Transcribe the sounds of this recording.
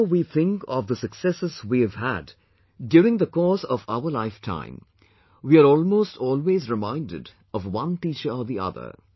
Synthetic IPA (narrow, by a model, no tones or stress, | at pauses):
wiθɪ̃ŋkɔvðəsɨksɛsɨzwiɨv̥hæ̰d | djʊːɾɪ̃ŋðəkɔsʌvaʊə˞laɪftʰã̰ɪ̃m | wiaɾɔːlˠmoːstʰɔːlˠweːzɹɪmãɪ̃ndɨ̰d | ʌvwʌ̃nt̪iːt͡ʃə˞ɔðiʔʌ̰ðə̰˞